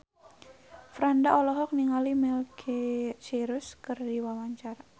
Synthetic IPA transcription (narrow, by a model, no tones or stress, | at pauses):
fɾandaʔɔlɔɦɔk̚niŋalimɛlkʰet͡ʃiɾuskɨrdiwawaɲt͡ʃara